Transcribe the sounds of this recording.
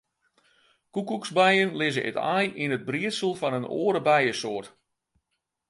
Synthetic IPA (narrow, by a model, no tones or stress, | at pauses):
kukuksbɛjənlɪzəʔɪ̰ta̰jʔinəd̚briəsəlˠfɑnəno̰ːəɾəbɛjəsoːrt